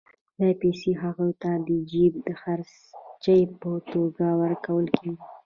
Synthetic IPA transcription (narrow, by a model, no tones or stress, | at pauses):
lapeseɦaɣojt̪ad̪əd͡ʒib̚d̪əxaɾs | t͡ʃəjpət̪oɡawəɾkawəlkʰeɡi